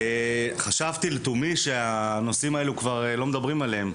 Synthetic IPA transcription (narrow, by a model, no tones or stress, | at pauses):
eχaʃavt̪ilt̪umiʃe̞ano̞simae̞lukvaʁelo̞med̪abʁimalehem